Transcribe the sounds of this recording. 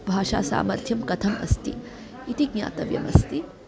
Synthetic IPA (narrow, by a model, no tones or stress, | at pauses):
bʱaːʂa̰ːsa̰ːmɐɾt̪ʰjɐmkɐt̪ʰɐmɐ̰st̪ḭ | it̪iɡ̚ɲa̰ːt̪ɐʋjɐ̰mɐst̪i